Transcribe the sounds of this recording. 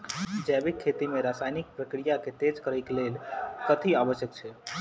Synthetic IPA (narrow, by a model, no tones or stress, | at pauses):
d͡ʒɛbikʰːet̪imeɾasajnik̚pɾəkɾijaket̪ed͡ʒkəɾəjkelelkət̪ʰiabəʃjəkt͡ʃʰɛ